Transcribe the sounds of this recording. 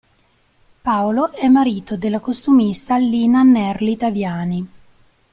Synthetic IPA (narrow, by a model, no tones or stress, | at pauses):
paoloʔɛmːaɾiːt̪od̪elːakost̪umist̪alːiːnanɛrlit̪avjaːni